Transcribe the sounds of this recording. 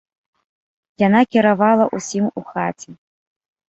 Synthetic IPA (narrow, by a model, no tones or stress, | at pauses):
janakʲiɾavalˠɐʔusʲimuxat͡sʲɛ